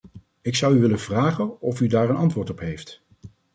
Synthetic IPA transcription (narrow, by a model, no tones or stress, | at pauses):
ɪksʌwyʋɪlənv̥raːχənɔfydaːɹənɑntʋʊːɹtɔpɦejft